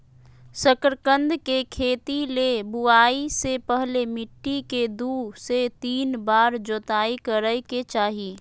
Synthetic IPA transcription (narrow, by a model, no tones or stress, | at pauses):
səkɾkə̃nd̪ʱkekʰeːt̪ilebuaːisepəɦlemɪʈːiked̪uːset̪iːnbaːɾd͡ʒoːt̪aːikəɾəket͡ʃaːɦi